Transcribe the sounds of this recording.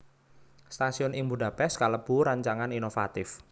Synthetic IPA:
st̪asiɔnɪŋbuɖa̤pɛskaləb̥ṳɾaɲt͡ʃaŋaninofa̰t̪ɪf

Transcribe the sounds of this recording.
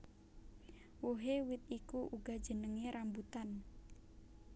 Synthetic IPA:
woɦewɪt̪̚ikuʔuɡa̤d̥d͡ʒ̥ə̤nəŋeɾambut̪an

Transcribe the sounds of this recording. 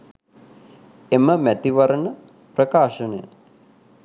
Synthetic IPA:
eməmæt̪iʋɐɾənə | prəkaːʃənəjə̰

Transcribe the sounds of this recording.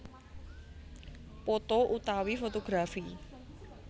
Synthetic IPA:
pot̪oʔut̪awifot̪oɡ̥ɾafi

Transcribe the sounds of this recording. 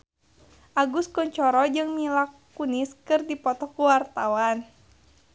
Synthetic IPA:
ʔaɡuskɔɲt͡ʃɔɾɔd͡ʒɨŋmilakː | uniskɨrdipɔt̪ɔkuwart̪awan

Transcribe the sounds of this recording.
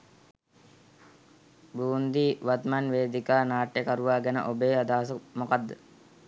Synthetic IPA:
buːnd̪iːʋat̪manʋeːd̪ikaːnaːʈːjekaɾuʋaːɡɛnə̰ʔobeːad̪aːs̬əmokad̪ːə

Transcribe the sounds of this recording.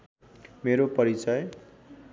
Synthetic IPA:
meɾopʌɾit͡sʌj

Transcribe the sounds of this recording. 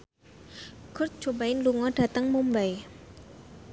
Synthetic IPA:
ɡ̥ʊrt̪̚d͡ʒ̥obaɪnluŋɔd̥a̤t̪əŋmumbaj

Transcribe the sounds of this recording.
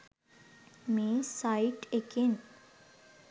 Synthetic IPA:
mẽsaiʈeken

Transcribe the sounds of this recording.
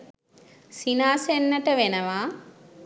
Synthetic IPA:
sinaːsenːəʈəʋenəʋaː

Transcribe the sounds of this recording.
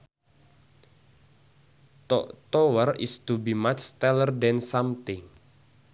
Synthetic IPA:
t̪ɔʔt̪ɔwərḭst̪ubimat͡ʃt̪ɛlərdɛnsamt̪iŋ

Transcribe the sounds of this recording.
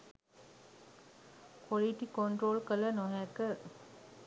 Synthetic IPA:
koliʈikoɳʈɾoːlkələnoɦɛkə

